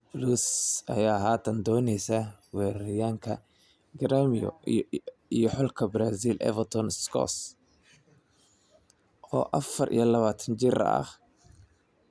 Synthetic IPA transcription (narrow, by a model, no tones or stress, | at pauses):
bluːsɐ̰jaːɦaːt̪ʰɐnd̪ɔːnɛjsɐwɛːɾɐɾɪjaːŋkʰɐ | ɡɐɾaːmɪjɔ̰ | ijɔħɔlkʰɐbɾaːsiːlʔɛ̰vɐt̪ʰɔnskʰɔ̰s | ʔɔ̰ːʔɐfɐrʔḭjɔlɐβaːt̪ʰɐnt͡ʃɪɾɐ̰ɐ̰h